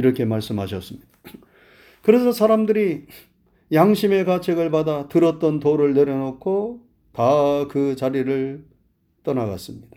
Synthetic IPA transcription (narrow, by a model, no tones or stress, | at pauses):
iɾʌkʰe̞maɭs͈ɯmɦaɕ̬ʰʌs͈ɯmɲid̥ḁ | kɯɾe̞sʰʌsʰaɾamdɯɾi | jaŋɕʰime̞kat͡ɕʰeɡɯɭpadatɯɾʌt̚t͈ʌntoɾɯɭne̞ɾjʌnokʰo | takɯt͡ɕaɾiɾɯɭ | t͈ʌnaɡa̰s͈ɯmɲid̥ḁ